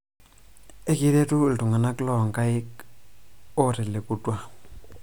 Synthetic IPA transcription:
e˦ki˦te˦tu˦˨ltu˨ŋa˨na˦klɔ˨ŋka˦ɪ˦k | o˦ɾɪ˨lɪ˨ku˨twa˨

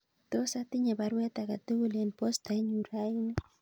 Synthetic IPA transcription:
t̪o˦sat̪ɪ˦ɲa˨ba˨ɾwɛ˦t̪a˨ka˨t̪o˦wu˦le˨npo˦sta˨˦ɲu˨ɾainɪ˦

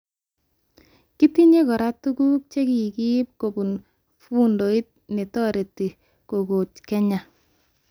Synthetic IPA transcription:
ki˦ti˦ɲe˦kɔ˨ɾa˦tu˦ku˦k̚t͡ʃe˦ki˨ki˦p̚ko˨bu˨n | fu˦ndo˨i˦t̚ne˨tɔ˦ɾe˨ti˨ | ko˨ko˨tkɛ˦ɲa˨

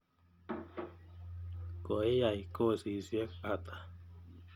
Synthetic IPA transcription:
ko˨e˦ja˨i˨ko˦si˨zje˦ka˨t̪ʼḁ˨

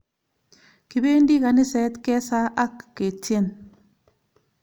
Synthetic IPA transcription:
kɪ˨be˦ndi˦ka˨nɪ˦sɛ˨˦t̪kɛ˦sa˦ʔa˦kːe˨tje˦˨n

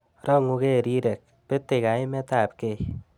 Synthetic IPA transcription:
rɔ˦ŋu˧ke˦˨ɾi˦ɾe˨k̚pe˦tːe˨ka˨i˦mɛ˦ta˨p̚ke˨j

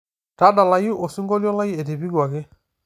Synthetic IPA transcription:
ta˦da˨la˨ju˦ʔo˨su˦ŋɡɔ˦ljɔ˦la˦ji˦e˨te˨bi˦ɡa˨kɪ˦

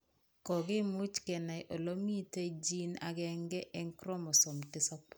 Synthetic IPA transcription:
kɔ˨ɡe˦mu˦t͡ʃkɛ˨na˨jʔo˨lo˦mi˦te˦d͡ʒi˦na̰˨ɡɛ˦ŋɡɛ˦ʔɛ˦ŋkɾɔ˦mɔ˨sɔ˨mtɪ˦sɔ˦p̚

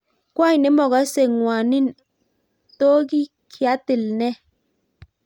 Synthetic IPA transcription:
kwa˦i˨nɛ˨˦mɔ˨ɣa˨˦se˨ŋwa˨ni˦n | to˦ɡi˦ | kʰa˨˦tɪ˨lnɛ˦

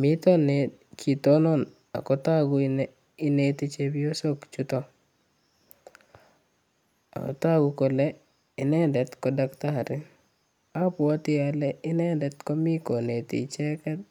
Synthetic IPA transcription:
mi˦tɔ˦ne | kʰi˨t̪o˦nɔ˦n | a̰˨kɔ˦ta˦ɡʊ˨ | i˦ne˦t̪i˦t͡ʃe˦bi˦o˦so˦kt͡ʃu˦tɔ˦ | a̰˨kɔ̰˨ta˦ɡu˦ko˨lɛ˦ | ɪ˨nɛ˦ndɛ˨t̪kɔ˦dakta˦˨ɾɪ˦ | a˦pʊ˨a˦t̪ɪ˦alɛ˦ɪ˦nɛ˦ndɛ˨t̪kɔ˦mi˦ko˨ne˨t̪ḭ˨t͡ʃɛ˦kɛ˦t̪̚

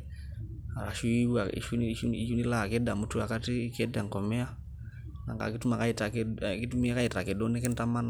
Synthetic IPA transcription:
a˨la˨ʃu˦i˦wa˨ḭʃu˦ʃui˦t͡ʃu˦ni˦la˦˨kɛ˦da˨mu˦tu˦a˨ka˦ti˦kɛ˦da˨ŋkɔ˨mɛ˦a˦ | na̰˨ŋɡa̰˨kitu˦ma˨kaita˨kɛki˦tu˦mi˦a˦ka˦i˨ta˨kɛ˨dɔ˦ni˦kɛ˦nta˦ma˦na

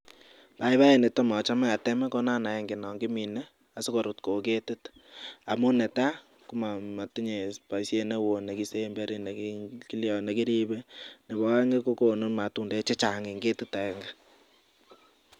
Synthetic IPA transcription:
pa˨i˦βa˦e˨ne˨tɔ˦ma˨t͡ʃa˦mɛ˦a˨tɛ˦mɛ˦ko˦na˦na˨jɛ˦ŋɡi˨nɔ˨ŋɡi˦mi˨nɛ˦ | a˨sɪ˦ko˨ɾu˨tko˨ke˦tɪ˦ta˨mu˦nɛ˨ta˦ | ku˦ma˨ma˨ti˦ɲe˨pa˨isje˦ne˦wo˨ne˨ki˦se˦mbɛ˦ɾi˦ne˨ki˦ljɔ˨ne˨ki˦ɾi˦bɛ˦ne˨bɔ˦a˦ŋe˦ko˦ko˨no˦nma˨tu˦nde˦t͡ʃe˦t͡ʃa˨ŋi˨ŋɡe˦tu˦ta˨ɛ˨ŋɡa˦

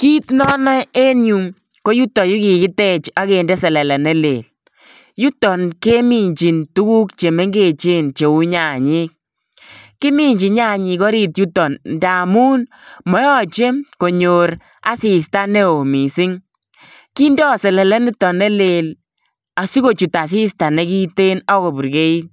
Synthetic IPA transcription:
ki˦tnɔ˦na˦e˦nju˨m | ko˦ju˦tːɔ˨ju˦ki˨kɪ˦tɛ˦t͡ʃa˦ke˨ndɛ˦sɛ˨lɛ˨lɛ˨nɛ˦lḛ˨l | ju˦tɔ˨nke˦mi˨ɲt͡ʃi˨ntu˦ku˦kt͡ʃe˨me˦ŋɡe˦˨t͡ʃe˦nt͡ʃe˨u˦ɲa˨ɲi˦k̚ | kːɪ˦mi˦ɲd͡ʒi˨ɲa˦˨ɲi˧kɔ˦ɾi˦tju˦tːɔ˨nnda˨muː˦n | mɔ˨jɔ˦t͡ʃe˦ko˨ɲo˨ɾ | a̰˦si˨s̬ta˦ne˦o˨mi˨si˦ŋ | ki˦ndɔ˦sɛ˨lɛ˨lɛ˦nɪ˦tɔ˨nɛ˦le˨l | a˨si˦ko˨t͡ʃu˨ta˨s̬i˦sta˨ne˦ki˦te˦nɔ˦ko˨bu˨ɾke˦i˦

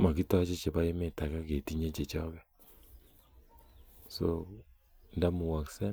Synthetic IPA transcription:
ma˨ki˦tɔ˦a˦t͡ʃe˦t͡ʃe˨βa˦je˦me˨ta˨ka˦ke˨ti˦ɲe˦t͡ʃe˨t͡ʃɔ˦kɛ˦ | so˦ | nda˦mu˨wa˨ksɛ˦

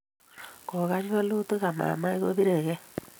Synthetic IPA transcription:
ko˨ɣa˦ɲu˦a˦lo˦to˦ɣa˨ma̰˨ma˦i˦ɣo̰˦βi˦ɾe˨ɣɛ˦

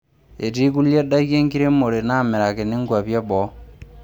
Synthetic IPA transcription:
e˨ti˦ku˦lje˦da˦ɣje˦ŋɡi˦ɾe˦mo˨ɾe˨na˦˨me˨ɾa˨ke˨ni˦ŋɡwa˨βja˦bɔ˨˦

